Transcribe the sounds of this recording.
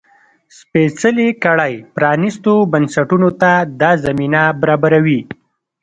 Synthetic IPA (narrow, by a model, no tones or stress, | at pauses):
spesəlekaɽajpɾɑnist̪obansaʈunot̪ad̪ɑzaminabaɾɑbaɾawi